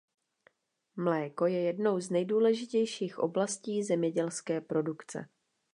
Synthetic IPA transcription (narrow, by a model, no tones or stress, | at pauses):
mlɛːko̞jɛjɛdno̞wznɛjduːlɛʒɪcɛjʃiːxʔo̰blasciːzɛmɲɛɟɛlskɛːpɾo̞dukt͡sɛ̰